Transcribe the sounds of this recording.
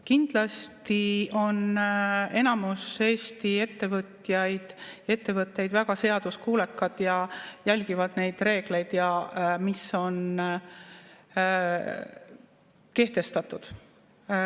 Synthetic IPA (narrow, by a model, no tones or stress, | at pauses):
kind̪̥lɑst̪io̞ne̞nɑmuse̞ːst̪ie̞t̪ːe̞vɤt̪ːjɑjd̪̥e̞t̪ːe̞vɤt̪ːˑejd̪væɡ̥ɑse̞ɑd̪̥uskuːlekːˑɑd̪̥jɑjælʲɡ̥ivɑd̪̥ne̞jd̪̥re̞ːɡ̥le̞jd̪̥jɑmisːo̞n | ke̞ht̪e̞st̪ɑt̪ːˑud̪̥